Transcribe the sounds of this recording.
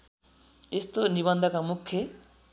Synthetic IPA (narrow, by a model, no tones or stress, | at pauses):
est̪oniβʌnd̪ʱʌkamukʰːjʌ